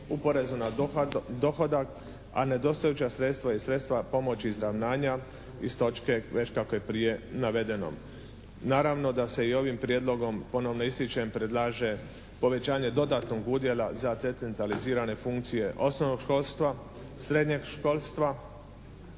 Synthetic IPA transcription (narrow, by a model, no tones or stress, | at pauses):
upo̞ɾe̞zunad̪o̞xo̞d̪ak | a̰ne̞d̪o̞st̪ajut͡ɕasɾe̞t̪st̪ʋajesɾe̞t̪st̪ʋapo̞mo̞t͡ɕiizɾaʋnaːɲa | ist̪o̞t͡ʃke̞ʋe̞t͡ɕkako̞jepɾije̞naʋe̞d̪e̞no̰m | naːɾaʋno̞d̪ase̞io̞ʋimpɾijed̪lˠo̞ɡo̞mpo̞no̞ʋnoist̪it͡ʃaempɾe̞d̪lˠaːʒe | po̞ʋe̞t͡ɕaːɲe̞d̪o̞d̪at̪no̞ɡuːd̪je̞lˠazat̪set̪ent̪aliziːɾane̞fuŋkt̪sije̞ʔo̞snoʋno̞ɡʃko̞lst̪ʋa | sɾe̞d̪ɲeɡʃko̞ːlst̪ʋa